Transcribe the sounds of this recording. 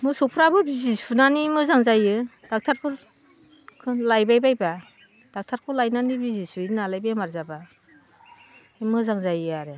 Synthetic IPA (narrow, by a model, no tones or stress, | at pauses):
mɯsɔpʰɾabɯbizisunanimɯzaŋzajɯd̥ak̚tʰaɾpʰɯɾ | kʰɯnlajbajbajba | d̥ak̚tʰaɾkʰɯlajnanibizisuinalajbajmaɾzaba | imɯzaŋzajɯaɾɯ